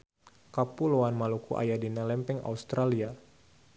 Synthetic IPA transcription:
kapuloanmalukuʔa̰jadinalɛmpɛŋa̰ust̪ɾalia

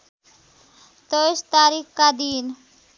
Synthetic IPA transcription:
t̪əst̪aːɾiːxkad̪iːn

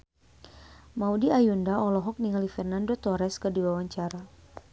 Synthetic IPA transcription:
maudiajundaɔlɔɦɔk̚niŋalifɛrnandot̪ɔɾɛskədiwawaɲt͡ʃaɾa

